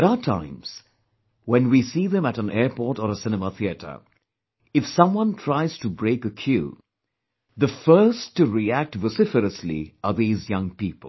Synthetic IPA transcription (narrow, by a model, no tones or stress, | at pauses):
æɾaʊətʰã̰ɪ̃mz̥ | wɛ̃nwisiðɨ̃mæɾə̃nɛɹpɔɹɾəɾəsɪnɨməθiɨɾʰə̰˞ | ɨfsʌ̃mwʌ̃ntʰɹ̥aɪz̥tɨbɹeɪkəkʰjʉ̰ | ðəfɜ˞stːɨɹiæk̚tvəsɪfəɾəslḭəðizjʌ̃ŋpipəl̩ˠ